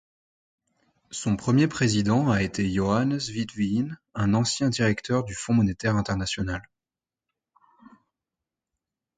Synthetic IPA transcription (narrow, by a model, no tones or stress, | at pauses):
sɔ̃pχəmjepχezid̪ɑ̃aet̪ejɔanzvid̪vinɛ̃nɑ̃sjɛ̃d̪iʁɛkt̪ʰœʁd̪yfɔ̃mɔnet̪ɛʁɛ̃t̪ɛʁnasjɔnal